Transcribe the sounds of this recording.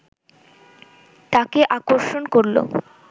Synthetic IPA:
t̪akeʔakoɾʃonkoɾlo̰

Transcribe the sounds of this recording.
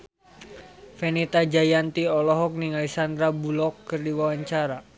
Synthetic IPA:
fɛnit̪ad͡ʒajant̪iɔlɔɦɔk̚niŋalisand̪ɾabulɔkːɨrdiwawaɲt͡ʃaɾa

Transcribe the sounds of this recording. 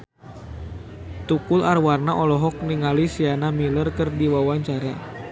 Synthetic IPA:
t̪ukularwarnaʔɔlɔɦɔk̚niŋalisianamilərkɨrdiwawaɲt͡ʃaɾa

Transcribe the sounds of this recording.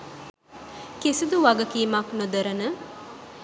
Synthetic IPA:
kesid̪uʋaɡəkiːmaknud̪əɾənə

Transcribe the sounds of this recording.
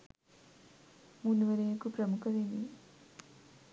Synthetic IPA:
munuʋəɾejəkupɾəmukəɾeni

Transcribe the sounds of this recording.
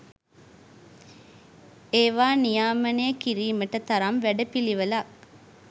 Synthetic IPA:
eːʋaːnijaːmɐnekiɾiːməʈət̪ɐɾɐmʋæɖɐpiliʋəlɐk

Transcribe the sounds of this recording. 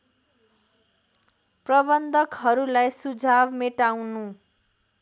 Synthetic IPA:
prʌbʌnd̪ʱʌkɦʌɾulajsud͡zʱabmeʈawnu

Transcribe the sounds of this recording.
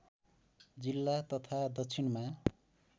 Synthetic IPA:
d͡zilːat̪ʌt̪ʰad̪ʌkt͡sʰinma

